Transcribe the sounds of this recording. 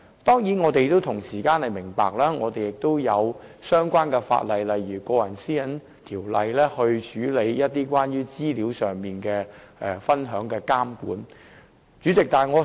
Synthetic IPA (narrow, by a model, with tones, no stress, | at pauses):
t̪ɔː˥ŋji˨˥nŋɔː˨˧t̪e˨jt̪o˥wt̪ʰʊ˨˩ŋsiː˨˩kaː˧˥nhɐ˨jmɪ˨˩ŋpa̰ː˨k̚laː˥ŋɔː˨˧t̪e˨jɪ˨k̚t̪o˥wjɐ˨˧wsœː˥ŋkʷaː˥nkɛ˧fa̰ː˧t̚lɐ˨jlɐ˨jɥyː˨˩kɔː˧jɐ˨˩nsiː˥jɐ˨˥n | t̪ʰiː˨˩wlɐ̰˨jlɛː˥hɵ˧ɥt͡ʃʰyː˨˥le˨˧jjɐ˥t̚t̪iː˥kwaː˥njyː˥t͡siː˥liː˨˥wsœː˨˩ŋmiː˨nkɛː˧ | ʔɛ˨˧fɐ˥nɦœː˨˥ŋkɛː˧kaː˥mkṵː˨˥n | t͡ʃyː˨˥t͡sɪ˨k̚t̪aː˨ŋɔː˨˧